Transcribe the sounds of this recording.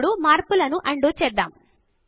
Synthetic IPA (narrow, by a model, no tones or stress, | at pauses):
ɽumaːɾpulɐnuʔɐɳɖuːt͡ʃɛd̪ːa̰ːm